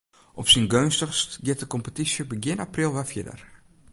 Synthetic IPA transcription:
ʔɔpsinɡønstəχstɡɪt̚əkɔmpətisjəbəɡɪnaprilˠʋɛfjɪdə̰r

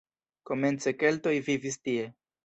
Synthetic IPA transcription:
ko̞me̞nt͡se̞ke̞lto̞jvivistie̞

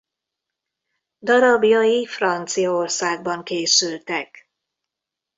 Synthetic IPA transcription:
d̪ɒɾɒbijɒjifrɒnt̪sijɒorsaːɡ̚bɒŋkeːsylt̪ɛk

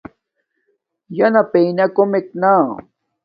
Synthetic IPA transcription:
janapejnakomɪk̚naː

